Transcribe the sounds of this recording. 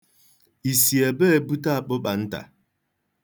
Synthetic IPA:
i˨si˨ɛ˨bə˦e˨bu˦ta˦˨k͡po˦ɓa˨n̩˦ta̰˨

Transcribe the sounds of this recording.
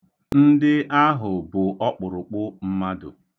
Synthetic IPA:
n̩˦dɪ˦a˦ɦʊ˨bʊ˨ʔɔ˦k͡pʊ˨ɾʊ˨k͡pʊ˦m̩˦ma˦dʊ̰˨

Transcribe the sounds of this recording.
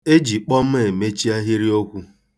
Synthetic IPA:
e˦d͡ʒi˨k͡pɔ˦m̩˦e˨me˦t͡ʃi˦a˦ɦi˦ɾi˦o˦kʷu˦

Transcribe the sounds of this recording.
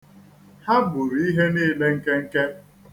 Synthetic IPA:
ha˦bʊ˨ɾi˦ɦe˦niː˦˨le˦ŋ̩˦ke˦ŋ̩˦ke˦

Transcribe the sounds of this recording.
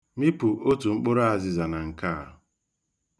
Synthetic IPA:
mi˦pu˨ʔo˦tu˨ŋ͡m̩˦k͡po˦ɾa˦a˨zɪ˨za˨na˨ŋ̩˨kaː˦˨

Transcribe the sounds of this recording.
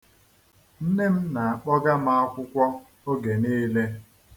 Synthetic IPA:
n̩˦ne˦m̩˦na˨a˨k͡pɔ˦ɡa˦ma˦a˦kʷʊ˦kʷɔ˦ | o˦ɡe˨neː˦le˦

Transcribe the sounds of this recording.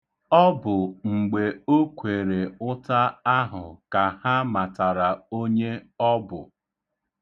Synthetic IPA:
ɔ˦bʊ˨ŋ͡m̩˨ɡ͡be˨o˦kʷe˨ɾe˨ʊ˦ta˦a˦ɦʊ˨ka˨ha˦ma˨ta˨ɾa˨o˦ɲe˦ɔ˦bʊ˨

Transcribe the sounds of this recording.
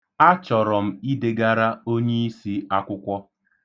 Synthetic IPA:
a˦t͡ʃɔ˨ɾɔ˨m̩˨i˦de˨ɡa˦ɾa˦o˦ɲe˦i˦si˦a˦kʷʊ˦kʷɔ˦

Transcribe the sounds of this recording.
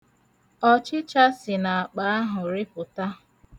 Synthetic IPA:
ɔ˦t͡ʃɪ˦t͡ʃa˦sɪ˨na˨a˨k͡pa˨˦a˦ɦʊ˨ɾɪ˦pʊ˨ta˦

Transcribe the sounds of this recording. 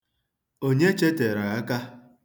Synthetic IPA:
o˦ɲe˦t͡ʃe˦te˨ɾa˨ɣa˦ka˦

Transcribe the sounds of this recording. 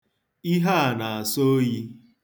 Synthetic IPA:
i˦ɦa˦a˨na˨a˨so˦ji˦

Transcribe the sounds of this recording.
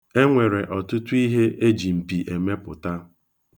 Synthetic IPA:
e˦ŋʷe˨ɾe˨ʔɔ˨tʊ˦tu˦i˦ɦe˦ʔe˦d͡ʒi˨m̩˨pi˨ʔe˨me˦pʊ˨ta˦

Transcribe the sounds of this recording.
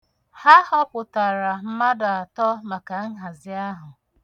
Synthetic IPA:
ha˦hɔ˦pʊ˨ta˨ɾa˨m̩˦ma˦da˨a˨tɔ˦ma˨ka˨ŋ̩˦ɦa˨zɪ˨˦a˦ɦʊ˨

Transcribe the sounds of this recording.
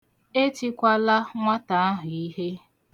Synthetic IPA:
e˦t͡ʃi˦kʷa˦la˦ŋʷa˦ta˨a˦ɦʊ˨i˦ɦe˦

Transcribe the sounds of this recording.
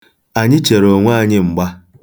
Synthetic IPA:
a˨ɲɪ˦t͡ʃe˨ɾo˨ŋʷa˦a˦˨ɲɪ˦ŋ͡m̩˨ɡ͡ba˦

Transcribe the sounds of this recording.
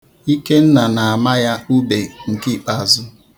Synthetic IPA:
i˦ke˦n̩˦na˨na˨a˨ma˦ja˦u˦be˨ŋ̩˨ki˦˨k͡pa˨zʊ˦

